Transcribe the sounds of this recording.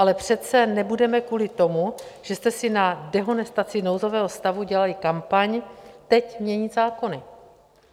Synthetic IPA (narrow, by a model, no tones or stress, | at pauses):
ʔalɛpr̝̥ɛt̪t͡sɛnɛbudɛmɛkvuːlɪt̪o̞muʒ̥ɛst̪ɛsɪnadɛɦo̞nɛst̪at͡sɪno̞wzo̞vɛːɦost̪avuɟɛlalɪkampaɲt̪ɛcmɲɛɲɪzaːko̞nɪ